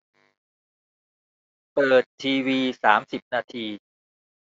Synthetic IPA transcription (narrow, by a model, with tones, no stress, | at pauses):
pɤː˨˩t̪ʰːiː˧wiː˧saː˩˦msi˨˩p̚naː˧t̪ʰiː˧